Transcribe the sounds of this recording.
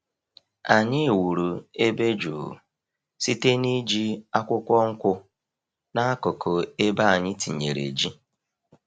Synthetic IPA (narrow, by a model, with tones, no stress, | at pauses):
a˨ɲɪ˦˨wu˨ɾu˨e˦be˦d͡ʒṵː˨ | si˦te˦ni˦d͡ʒi˦a˦kʷʊ˦kʷɔ˦ŋ̩˦kʷʊ˦ | na˦a˦kʊ˨kʰo˨e˦ba˦a˨ɲɪ˦ti˨ɲe˨ɾḛ˨d͡ʒi˦